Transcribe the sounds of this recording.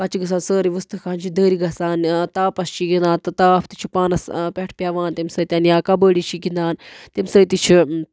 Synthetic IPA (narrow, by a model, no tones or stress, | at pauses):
ɐt͡ʃiɡɐs̬aːnsəːɾiʋɨst̪ɨkʰaːnt͡ʃʰid̪əːɾiɡɐsaːnt̪aːpɐst͡ʃʰiɡind̪aːnt̪ɨt̪aːpʰt̪it͡ʃʰi̥paːnɐspʲeʈʰpʲaːʋaːnt̪imsət̪ʲjaːnjaːkɐbəːɽit͡ʃʰiɡind̪aːnt̪imsəːt̪it͡ʃʰi